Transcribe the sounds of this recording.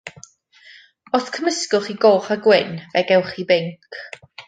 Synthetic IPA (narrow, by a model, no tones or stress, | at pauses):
oθkʰəməskʊχiɡoːχaɡwɪnvɛɡɛwχibɪŋkʰ